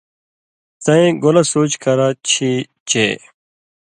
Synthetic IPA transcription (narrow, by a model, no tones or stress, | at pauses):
t̪ɐ̃ẽɡolasoːt͡ɕkɐɾat͡ɕʰi | t͡ɕe